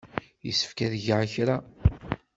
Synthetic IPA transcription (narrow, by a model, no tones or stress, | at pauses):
jəsːə̥fkæðʝʕçɾa